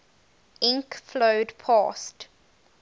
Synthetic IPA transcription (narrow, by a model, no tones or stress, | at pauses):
ɪ̃ŋkfloʊdpʰɑ̰ːst